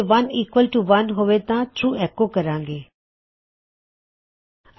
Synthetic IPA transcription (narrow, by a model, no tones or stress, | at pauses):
ʋɐniːkʋəlʈuʋɐnɦoːʋet̪ãːʈʰɾuːɛkokəɾãːŋɡeː